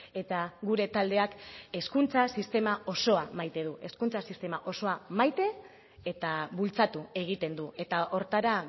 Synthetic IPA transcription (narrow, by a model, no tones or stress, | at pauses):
e̞t̪aɣuɾe̞t̪ald̪e̞ake̞skunt͡sasist̪e̞mao̞so̞amajt̪e̞ð̞uʔe̞skunt͡sasist̪e̞maʔo̞so̞amajt̪e̞ː | t̪aβult͡sat̪ue̞ɣ̞it̪e̞nd̪ue̞t̪aʔo̞ɾt̪aɾa